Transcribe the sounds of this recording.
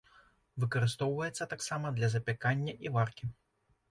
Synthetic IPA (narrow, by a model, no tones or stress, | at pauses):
vɨkɐɾɨst̪ɔwvɐjɛt̪sːɐt̪aksamɐd̪lʲɐzɐpʲɛkanʲːɐʔivarkʲi